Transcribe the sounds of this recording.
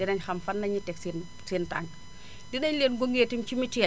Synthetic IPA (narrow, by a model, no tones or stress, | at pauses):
dɛnɐɲxɐmfɐnːɐɲitɛksin | siːntaŋk | dinɐɲleːnɡoŋɡeːtimt͡ʃimiti